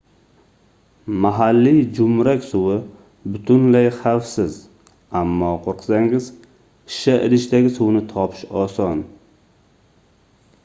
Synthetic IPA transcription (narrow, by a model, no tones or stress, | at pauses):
maɦalːid͡ʒʊmɾakʲsʊwɪ | bʊt̪ʰʊnlajχafsɪz | amːɒqʰoɾqʰɨ̥saŋɪz | ɪ̥ʃaʔɪ̰ɾɪʃt̪aɡʲɪsʊwnɪt̪ʰɒpʰɪ̥ʃɒsɒn